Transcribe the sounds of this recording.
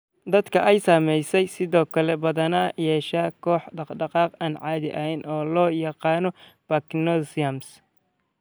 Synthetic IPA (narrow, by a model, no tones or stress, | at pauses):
d̪ɐd̪kʰɐʔɛjsaːmɛjsɛjsɪðɔːkʰɐlɛbɐðɐnɐjɛːʃaːkʰɔːħɖɑqɖɑqɑːqaːnʕɑːðɪʔɐɦɛnʔɔːlɔːjɑqɑːnɔb̥ɐknɔsɐms